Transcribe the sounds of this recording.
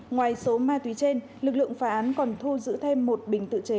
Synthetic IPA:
ŋwaː˨˩jso˨˦maː˧t̪wi˨˦t͡ɕe˧n | lɨ˨˩k̚lɨ̰˧˨əŋfaː˨˦˥ʔaː˨˦nkɔ˨˩nt̪ʰu˧zɨ̰˧˥t̪ʰe˧mːo˨˩t̚ɓï˨˩ŋ̟t̪ɨ̰˧˨t͡ɕe˨˦

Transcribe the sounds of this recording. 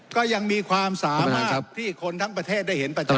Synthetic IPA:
kɔː˥˩ja˧ŋmiː˧kʰwaː˧msaː˩˦ma˧a˥˩˦t̪ʰiː˥˩kʰo˧nt̪ʰa˦˥˩ŋpɾa˧t̪ʰeː˥˩t̪̚da˥˩jhe˩˦npa˧˥t͡ɕ

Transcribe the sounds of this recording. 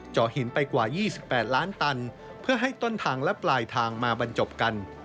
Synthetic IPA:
t͡ɕɔː˨˩hi˩˦npa˧jkwaː˨˩jiː˥˩si˨˩pːɛː˨˩t̪̚laː˦˥nt̪a˧n | pʰɯ˥˩ɐɦa˥˩jt̪o˥˩nt̪ʰaː˧ŋlɛ˦˥plaː˧jt̪ʰaː˧ŋmaː˧ba˧nt͡ɕo˨˩p̚ka˧n

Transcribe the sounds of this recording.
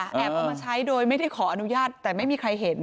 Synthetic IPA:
ʔɛ˦˥a˧˩maː˧t͡ɕʰa˦˥jdoː˧jma˥˩jda˥˩jkʰɔː˩˦ʔa˧nu˦˥jaː˥˩t̪ːɛː˨˩ma˥˩jmiː˧kʰɾa˧jɦe˨˩˦n

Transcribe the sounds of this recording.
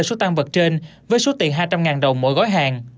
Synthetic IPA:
so˨˦t̪a˧ŋvə˨˩t̚t͡ɕe˧n | vəː˨˦jso˨˦t̪ḭ˨˧˩əŋɦaː˧jt͡ɕa˧mŋaː˨˩nɗə˨˩wŋ͡mmo̰˧˩jɣɔ˨˦jɦaː˨˩ŋ

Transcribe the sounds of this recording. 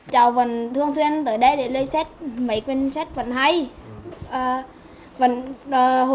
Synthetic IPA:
t͡ɕaː˨˩wvə˨˩nt̪ʰɨ˧əŋswi˧ənt̪əː˨˩jɗə˧jɗe˧˩ləː˧jsɛ˦˥t̚mə˨˩˦jkwi˧nsɛ˦˥t̚və˨˩nɦa˧jʔəː˨˩ | və˨˩nəː˨˩h

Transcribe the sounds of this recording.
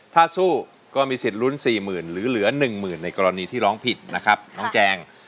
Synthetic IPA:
t̪ʰaː˥˩suː˥˩ | kɔː˥˩miː˧si˨˩t̪̚ɾu˦˥˩nsiː˨˩mɯː˨˩nlɯː˨˦lɯ˩˦ɐnɯ˨˩ŋmɯː˨˩nːa˧jkɔː˧ɾa˧niː˧t̪ʰiː˥˩ɾɔː˦˥ŋpʰi˨˩t̪̚na˦˥kʰɾa˦˥p̚ɾɔː˦˥ŋt͡ɕɛː˧ŋ

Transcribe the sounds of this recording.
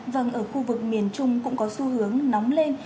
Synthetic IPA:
və˨˩nʔəː˧˩xu˧vɨ˨˩k̚mi˧˩ənt͡ɕʊ˧ŋ͡mkʊ̰˧˥ŋ͡mkɔ˨˦su˧ɦɨ˨˦əŋnɔ˨˦wŋ͡mle˧n

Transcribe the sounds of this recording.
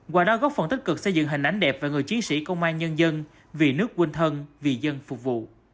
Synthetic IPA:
ɣwaː˨˩ɗɔ˨˦ɣɔ˦˥p̚fə˨˩nt̪ï˦˥k̟̚kɨ˨˩k̚sə˧jzɨ̰˧˨ŋɦï˨˩ŋ̟ʔa˨˦jŋ̟ɗɛ˨˩p̚vaː˨˩ŋɨ˨˩əjt͡ɕi˨˦ənsḭ˧˥kə˧wŋ͡mʔaː˧nɲə˧nzə˧n | vi˨˩nɨ˦˥ək̚ːwi˧nt̪ʰə˧nvi˨˩zə˧nfʊ˨˩k͡p̚vṵ˧˨

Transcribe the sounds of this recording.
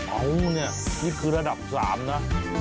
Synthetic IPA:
ʔa˦˥wni˥˩ɐmʰiː˥˩kʰɯː˧ɾa˧da˨˩p̚sa̰ː˩˦mna˦˥

